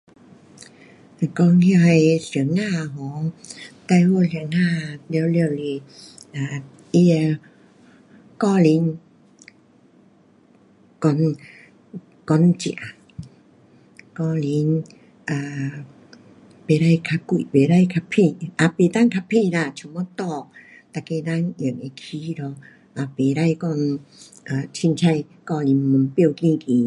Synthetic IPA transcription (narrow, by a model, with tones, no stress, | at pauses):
kɔ˧˨hi˧ha˧jɬi˨˦əŋːaː˧˨ɦɔː˨˦ŋt̪a˧jho˧li˧˨ə˦ŋnaː˧˩˨li˧wli˧˨wli˧˩ʔaː˧ | ʔi˧ | kɔː˧li˨˧˦n | kɔ˧n | kɔ˨˧˦nt͡ɕḭ˧˨a˨ | kɔ˧˨li˧˦n | ʔa˧˩ | pe˨˧˦ɾa˧˨jkʰa˧ku˧˨pe˨ɾa˥˧˨jkʰa˧pʰi˧ʔa˨˧˨pe˨˧t̪a˥˨ŋkʰa˧pʰi˧la˧˨t͡ɕʰu˧˦mɔ˧˦t̪ɔ˧k̚ | t̪a˧˨ke˧da˧ŋʔə˨˩ŋe˧kʰi˧˦ɾɔ˧ | ʔa˨˧˩pe˨˦ɾa˧˨jkɔ˧n | a˨t͡ɕʰi˧nt͡ɕʰa˧j | kɔ˧li˨˦nmu˨˦npi˧˨wkĩ˧ki˨˦